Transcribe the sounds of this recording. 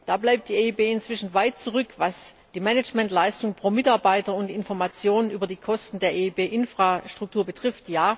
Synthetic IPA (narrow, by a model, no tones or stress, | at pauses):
d̥aːblaɪp̚td̥iːeːiːbeːɪnt͡sv̥ɪʃn̩vaɪt̚t͡suʁʏkvas | d̥iːmɛnɛd͡ʒmɛntlaɪstʊŋpʁ̥oːmɪtaɐbaɪtɐʊntɪnfɔɐmat͡sjoːnənʔyːbɐdiːkʰɔstn̩deːɐʔeibeːʔɪnfʁ̥aʃtʁ̥ʊk̚tʰuːɐbətʁ̥ɪftjaː